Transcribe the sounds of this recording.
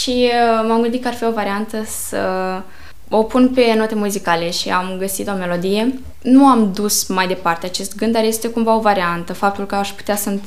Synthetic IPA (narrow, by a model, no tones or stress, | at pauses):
ʃimamɡɨnd̪it̪̚kəarfio̞vaɾiant̪əsə | o̞punpe̞no̞t̪e̞muzikale̞ʃiamɡəsit̪o̞me̞lo̞d̪ije̞ | nuamd̪usmajd̪e̞part̪e̞at͡ʃe̞st̪̚ɡɨnd̪arje̞st̪e̞kumvao̞vaɾiant̪əfap̚t̪ulkəaʃpu̥t̪easən